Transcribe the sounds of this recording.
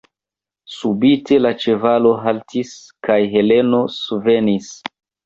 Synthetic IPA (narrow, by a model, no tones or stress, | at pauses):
subite̞lat͡ʃe̞valo̞ɦaltʰis | kajɦe̞le̞no̞suve̞nis